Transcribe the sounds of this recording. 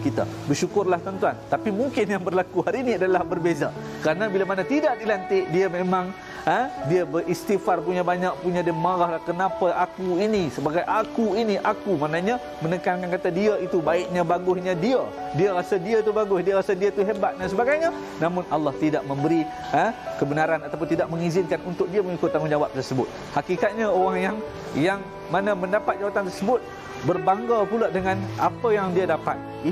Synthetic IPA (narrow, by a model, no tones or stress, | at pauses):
kit̪a̰ | bərʃukʊrlaht̪ənt̪uant̪apimuŋkɪnjaŋbərlakuhaɾiniadalahbərbeza | kəɾanabilamanat̪idaʔ̚dilant̪ɪʔdiamẽmãŋ | ədiəbəʔist̪ifarpuɲabaɲaʔ̚puɲãdimaɾahlahkənapaʔakuinisəbaɡajʔakuiniʔakumanaɲa | mənəkankankat̪adiəit̪ubaɪʔ̚ɲãbaɡʊhɲãdiə | diəɾasədiat̪ubaɡʊhdiaɾasədiat̪uɦebat̪̚dansəbaɡajɲã | namʊnalːɑht̪idaʔ̚mə̃mbəɾi | əkəbənaɾanat̪ap̬ʊnt̪idaʔ̚mə̃ŋizɪnkanunt̪ʊk̚diəməŋikʊt̪ːaŋʊnd͡ʒawap̚t̪ərsəbʊt̪̚ | hakikat̪̚ɲaoɾaŋjaŋ | jaŋ | manə̃mə̃ndapat̪̚d͡ʒawat̪ant̪ərsəbʊt̪̚ | bərbaŋɡapuladəŋãna̰pəjaŋdiadapa̰t̪̚ | i